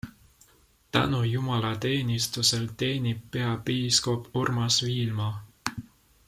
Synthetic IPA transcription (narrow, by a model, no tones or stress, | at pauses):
t̪æ̰nujumɑlɑt̪e̞ːnist̪use̞lt̪e̞ːnip̚ːeɑpiːskopurmɑsviːlmɑ